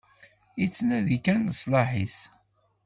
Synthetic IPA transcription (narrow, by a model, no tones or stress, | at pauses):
it͡sːnæðikænːəsˤlɑħḭs